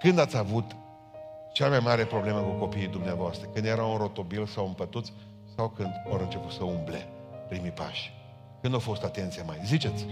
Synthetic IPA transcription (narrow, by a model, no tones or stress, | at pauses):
kɨnd̪at̪sʲavut̪ | t͡ʃamajmaɾe̞pɾo̞ble̞məkuko̞piːd̪umneavoast̪ɾəkɨnd̪je̞ɾaunro̞t̪o̞bilsawɨmpət̪ut̪sʲ | sawkɨnd̪oɾɨnt͡ʃe̞put̪səumble̞̰ | pɾimipa̰ʃʲ | kɨnd̪ofo̞st̪at̪e̞nt̪sijamajzit͡ʃe̞t̪sʲ